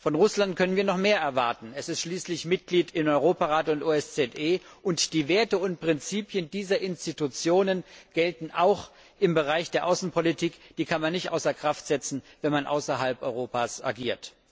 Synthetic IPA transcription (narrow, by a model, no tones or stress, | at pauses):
fɔnʁʊslantkʰœnənviːɐnɔχmeːɐʔɛɐvaɐtn̩ɛsɪstʃliːslɪçmɪt̚ɡ̥liːtɪnɔʏʁ̞oːpaʁaːtəʊntʔoːɛst͡sɛtʔeːʔʊntd̥iːveːɐtəʊnt̚pʁ̥ɪnt͡siːpjəndiːzɐʔɪnstitut͡sjoːnənɡ̥ɛltn̩ʔaʊx | ʔɪmbəʁaɪçd̥eːɐʔaʊsn̩pʰɔlitʰiːkd̥iːkʰanmanːɪçtʔa̰ʊsɐkʁ̥aftz̥ɛt͡sn̩vɛnmanʔa̰ʊsɐɦalpʔɔʏʁoːpaːsʔa̰ɡiːɐt